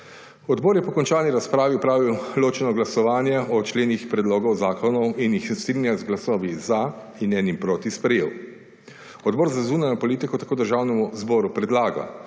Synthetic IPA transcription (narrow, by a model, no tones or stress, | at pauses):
ɔd̪bɔːɾjɛpɔkɔnt͡ʃaːlniɾaspɾaːʋiwpɾaːʋiwloːt͡ʃɛnɔɡlasɔʋaːnjɛɔt͡ʃleːnixpɾɛd̪loːɡɔwzaːkɔnɔwinjixst̪ɾinjazɡlasɔːʋiza | inɛːnimpɾoːt̪ispɾɛjeːw | ɔd̪̚bɔːɾzazuːnajnɔpɔliːt̪ikɔt̪ḁkoːd̪əɾʒaːwnɛmuzbɔːɾupɾɛd̪laːɡa̰